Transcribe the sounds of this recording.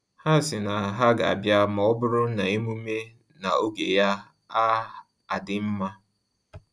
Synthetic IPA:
ha˦˨sɪ˨na˨ɦa˦ɡa˨a̰˨bja˦mɔ˨ɔ˦bʊ˦ɾʊ˦na˨e˦mu˦me˦ | na˨o˦ɡe˨ja˦ | a˦ | a˨dɪ˨m̩˦ma˦

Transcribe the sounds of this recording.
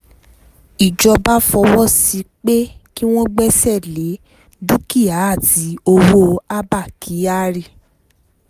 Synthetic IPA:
i˨d͡ʒɔ˧ba˦fɔ˧wɔ˦si˧k͡pe˦ki˦w̃ɔ̃˦ɡ͡bɛ˦sɛ˦˨le˨˦ | du˦ki˦˨a˨˦a˦˨ti˨˦o˧wo˦a˦ba˦˨ki˨˦a˦ɾi˦˨

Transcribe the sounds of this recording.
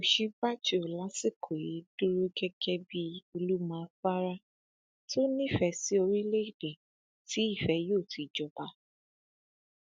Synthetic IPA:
o˨ʃĩ˧˦ba˦˨t͡ʃo˨la˨˦si˦˨kʰo˨je˨˦du˦ɾo˦ɡɛ˦ɡɛ˦bi˧o˧lu˦mã˧fa˦ɾa˦ | tʰo˦nĩ˦˨fɛ˧si˦o˧ɾi˦le˦i˦˨dɛ˨ | ti˨˦i˦˨fɛ˨˦joː˦˨ti˨d͡ʒɔ˨ba˧˦

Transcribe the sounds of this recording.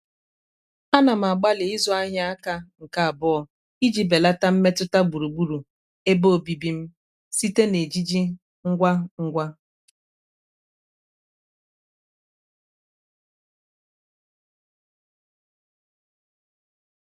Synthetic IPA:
a˦na˨m̩˨a˨ɡ͡ba˦lɪ˨i˦zɔ˦a˦ɦja˦a˦ka˦ŋ̩˨ka˨a˨bʊ˦ɔ˨ | i˦d͡ʒi˨be˨la˦ta˦m̩˦me˦tʊ˦ta˦ɡ͡bu˨ɾu˨ɡ͡bu˦ɾu˨ | e˦bo˦˨bi˨bi˦m̩˦ | si˦te˦ne˨d͡ʒi˦d͡ʒi˦ | ŋ̩˦ɡʷa˦ŋ̩˦ɡʷa˦

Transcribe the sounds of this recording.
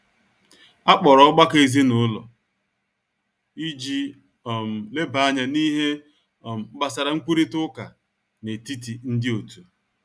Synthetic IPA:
a˦k͡pɔ˨ɾɔ˦ɔ˦ɡ͡ba˦ke˦˨zi˦nʊ˨˦lɔ̰˨ | i˦d͡ʒi˦ | ɔ˨m̩˨le˦ba˨˦a˦ɲa˨ni˦ɦe˦ | ɔ˨m̩˨˦ba˨sa˨ɾa˨ŋ͡m̩˦kʷu˦ɾi˦tʊ˦ka˨ | ne˨ti˦ti˨n̩˦dɪ˦o˨tu˨

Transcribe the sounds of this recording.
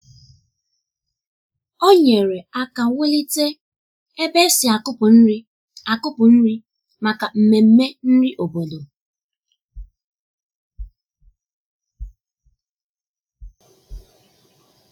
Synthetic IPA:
o˦ɲe˨ɾe˨a˦ka˨we˦li˦te˦ | e˦be˦sɪ˨a˨kʊ˦pʊ˨n̩˦ɾi˦ | a˨kʊ˦pʊ˨n̩˦ɾi˦ | ma˨ka˨m̩˨me˨m̩˦me˦n̩˦ɾi˦ʔo˨bo˨do˨

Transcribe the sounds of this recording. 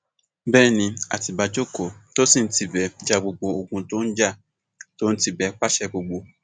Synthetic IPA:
bɛː˦˨nĩ˧a̰˨ti˧ba˨˧d͡ʒo˦˨ko˨to˦si˦˨n̩˦ti˧˨bɛ˨˧d͡ʒa˧ɡ͡bo˧ɡ͡bo˧o˨ɡũ˧to˦n̩˦d͡ʒa˦˨ | to˦n̩˦ti˦˨bɛ˧˦k͡pa˦ʃɛ˦ɡ͡bo˧ɡ͡bo˧

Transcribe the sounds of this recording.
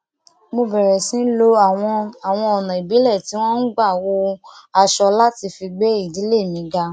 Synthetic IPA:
mo˧bɛ˨ɾɛ˨sĩ˦n̩˦lo˦a˦˨w̃ɔ̃˧a˨w̃ɔ̃˧ɔ˨nã˨i˨bi˨˦lɛ˦˨ti˨˦w̃ɔ̃˦n̩˦ɡ͡ba˦˨wo˧a˧ʃɔ˧la˦ti˧fi˧ɡ͡be˦i˦˨di˨˦le˦˨mĩ˨˦ɡa˧

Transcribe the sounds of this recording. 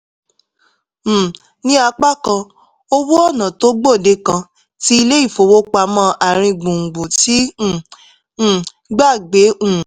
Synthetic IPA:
nĩ˦a˧k͡pa˦kã˧ | o˦wo˦ɔ˦˨nã˨to˦ɡ͡bo˦˨de˧˦kã˧ | ti˦i˧le˦i˦˨fo˧wo˦k͡pa˧mã˦ʔa˨ɾ̃ĩ˧ɡ͡bũ˨ŋ̩˨ɡ͡bũ˨ti˨˦˨ | ɡ͡ba˦˨ɡ͡be˨˦ũ˦˨

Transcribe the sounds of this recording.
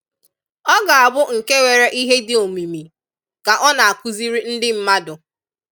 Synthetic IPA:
ɔ˦ɡa˨a˨bʊ˦ŋ̩˨ke˦we˨ɾe˦ʔi˦ɦe˦dɪ˦o˨mi˨mi˨ | ka˨ʔɔ˦na˨a˨ku˨zi˦ɾi˦n̩˦dɪ˦m̩˦ma˦dʊ˨

